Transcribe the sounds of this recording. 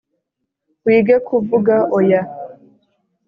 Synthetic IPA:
wiːɡekʰuvuɡaʔɔja

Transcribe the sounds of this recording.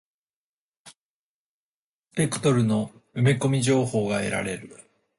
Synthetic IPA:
pe̞kɯ̟̥t̪o̞ɾɯ̟no̞ɯ̟meko̞mʲiʑo̞ːho̞ːɡae̞̰ɾa̰ɾe̞ɾɯ̟

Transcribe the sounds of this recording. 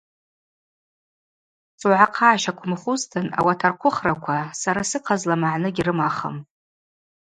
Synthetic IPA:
t͡sʼuwʕaqʰaːʃakʷʰʊmχʊztʰɨna̰watʰarqʷʰʊχrakʷʰasaɾasɨqʰazlamaʕnɨɡʲirɨmaχə̰m

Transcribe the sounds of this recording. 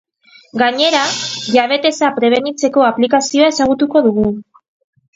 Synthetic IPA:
ɡaɲe̞ɾaʝaβ̞e̞t̪e̞sapɾe̞β̞e̞nit͡se̞ko̞aplikasio̞aesaɣ̞ut̪uko̞ðuɣ̞u

